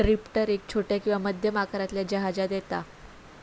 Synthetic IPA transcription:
ɾipʈəɾek̚t͡ɕʰoʈjakĩw̃ʋaməd̪ʱjəmakaɾat̪ljad͡ʑəɦad͡zad̪jet̪a

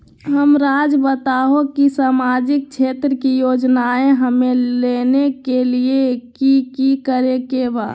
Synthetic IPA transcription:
ɦəmɾaːd͡ʒbət̪aɦokisaːmad͡ʒɪk̚t͡ʃʰeːt̪ɾəkijoːd͡ʒnaẽɦəmelenekeliekikikəɾekebaːd̪

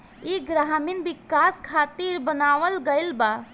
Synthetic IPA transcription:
iɡɾaɦminbikaskʰat̪iɾbənaʋəlɡəɪlba

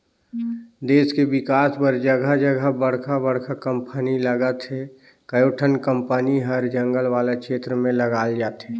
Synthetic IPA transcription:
d̪eːskeʋɪkaːspəɾd͡ʒəɡʱad͡ʒəɡʱəbəɽkʰabəɽkʰakə̃mpəniləɡət̪ɦe | kəjoːʈʰənkə̃mpəniɦəɾd͡ʒə̃ŋɡəlʋaːlekʃeːt̪ɾəmẽləɡaːld͡ʒaːt̪ɦeː

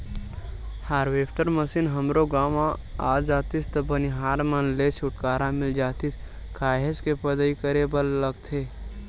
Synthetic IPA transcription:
haːɾʋeːpʰʈəɾməsinɦəmɾoɡaːmã | aːd͡ʒaːt̪ist̪ɐbəniɦaːɾmənlet͡ʃʰʊʈkaːɾamɪld͡ʒaːt̪is | kʰaːɦeskepəd̪əikəɾebəlːəɡt̪ʰeː

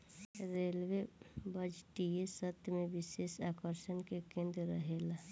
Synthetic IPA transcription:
ɾelʋebəd͡ʒʈijesət̪jmẽʋɪʃeːʃaːkəɾʃənkekẽːnd̪ɾə̰ɦeːla

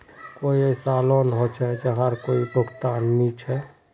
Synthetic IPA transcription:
koːiesaːloːnɦot͡ʃʰɛd͡ʒəɦaɾkoːibʱʊɡt̪aːnːit͡ʃʰɛ

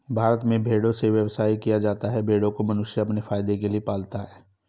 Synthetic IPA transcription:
bʱaːɾət̪mẽbʱeːɽõseʋjɐʋsaːikijad͡ʒaːt̪aɦɛbʱeːɽõkomɐnʊʃjaɐpnefaːjd̪ekeliepaːlt̪aɦɛː

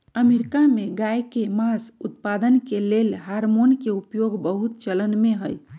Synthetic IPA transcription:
əmeɾikameɡajkemasut̪̚pad̪ənkelelɦaɾmonkeupjoɡbəɦut̪̚t͡ʃələnmeɦəj

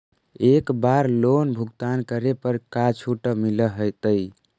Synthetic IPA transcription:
ekbaɾlonbʱuɡt̪ankəɾepəɾkat͡ʃʰuʈəmiləɦəjt̪əj

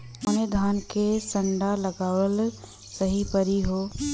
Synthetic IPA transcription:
əned̪ʱaːnkesə̃ɳɖalɐɡaːwəl | səɦipəɾiɦoː

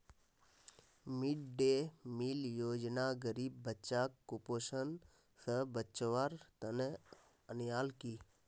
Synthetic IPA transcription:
miɖɖemiːljoːd͡ʒnaːɡəɾiːbːət͡ʃaːkːupoːʃən | səbət͡ʃʋaːɾt̪ənə | ənjaːlkiː

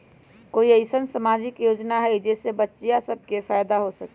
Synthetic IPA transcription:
koːiəɪsənsəmaːd͡ʒɪkjoːd͡ʒnaɦɛid͡ʒeːsebətːʃijasəb̚ʱkefʰajd̪aɦosəke

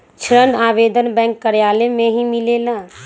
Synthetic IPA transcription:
t͡ʃʰɾənaːʋeːd̪ənbɛ̃ːŋkːəɾjaːlemẽɦimileːlaː

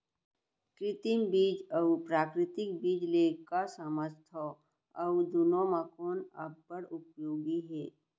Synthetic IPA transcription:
kɾɪt̪imbiːd͡ʒəupɾaːkɾɪt̪ɪk̚biːd͡ʒlekasəməst̪ʰɔ | əwd͡ʒ̪unõmakoːnəbːəɽʊpjoːɡiɦɛː

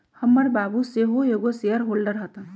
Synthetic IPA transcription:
hɐmːəɽbaːbuseɦojoːɡoseəɾɦoːlɖəɾɦɐt̪a

